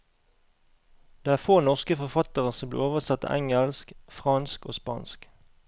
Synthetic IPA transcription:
d̪̥eːæːfoːnɔʁskəfɔfɑt̪əʁəsɔmblḭːoːʋəʁsɑt̪ɑ̰ːʔæŋəlskfʁɑnskoːspɑ̰ːnsk

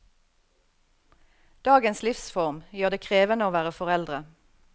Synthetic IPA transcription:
d̪̥ɑːɡənslɪfsfɔʁmjøːʁd̪eːkʰʁeːʋənəoːʋæːʁəfɔʁɛld̪ʁə

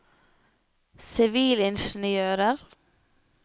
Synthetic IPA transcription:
sɪʋiːlɪnʃn̩ɪøːɾəɾ

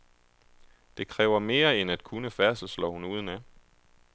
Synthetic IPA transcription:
d̥e̝kʰʁɛːʊɐme̝ːɐenæd̥kʰunəfæɐsəslɒ̰hunuːð̞ˠn̩æ

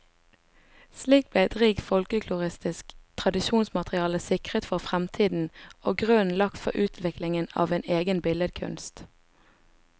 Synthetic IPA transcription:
sliːk̚b̥leːd̪̥ʁiːɡfɔlkəkʰlʊʁɪst̪ɪskt̪ʰʁɑd̪ɪʃuːnsmɑt̪ʁɪɑːləsɪkʁət̪fɔʁfʁɛmt̪ʰiːd̪n̩o̰ːɡʁøːnlɑkt̪fɔ̰ʔʉːt̪ʰʋɪklɪŋənɑ̰ːʋeːneːɡənbɪləd̪kʰʉ̰nst̪

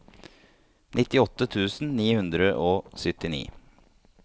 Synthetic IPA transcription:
nʔɪt̪ɪɔt̪ːət̪ʰʉːsn̩niːhʉnd̪ɾəʔoːsʏt̪ɪnḭː

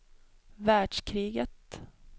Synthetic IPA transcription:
væːɖʂkʰɾiːɡət̪

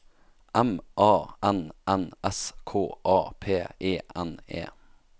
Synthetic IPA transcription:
ʔɛmʔɑːʔɛnʔɛnɛskʰoːʔɑːpʰeːʔeːʔɛnḛː

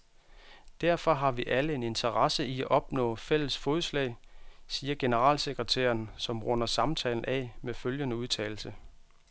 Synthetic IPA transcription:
d̥æɐ̰fɒ̽ɦɑ̈ʋiʔæləe̝ne̝nt͡sʰɐʁɑsəiæʔɒ̽b̥nɔ̰̽ːfel̰əsfɔːðˠslɛ̰ːɪsiːɐɡ̥e̝nəʁɑ̰̈ːlseɡ̥ʁət͡sʰæ̰ːɐnsɒ̽mʁɔ̽nɐsɑ̈mt͡sʰɛ̰ːln̩ʔɛ̰meføljənəuðˠt͡sʰɛ̰ːl̩sə

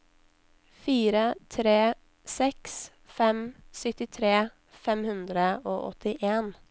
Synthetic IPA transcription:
fiːɾət̪ʰɾeː | sɛks | fɛmsʏt̪ɪt̪ʰɾeː | fɛmhʉnd̪ɾəoːʔɔ̰t̪ɪʔeːn

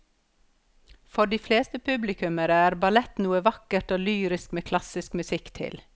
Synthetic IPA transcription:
fɔɖiːfleːst̪əpʰʉblɪkʉməɾəæːɾbɑlɛt̪nuːəʋɑkəʈoːlyːɾɪskmeːkʰlɑsɪskmʉsɪkt̪ʰɪ̰l

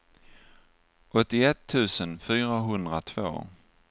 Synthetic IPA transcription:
ʔɔt̪ːɪɛt̪ʰːʉ̟ːsənfyːɾaɦɵnd̪ɾat̪ʰv̥o̰ː

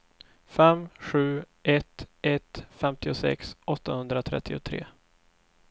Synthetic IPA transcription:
fɛmɧʉ̟ː | ʔɛt̪ɛt̪fɛmt̪ɪʊsɛ̰ksɔt̪ːahɵnd̪ɾat̪ʰɾɛ̰t̪ʰːɪʊt̪ʰɾḛː

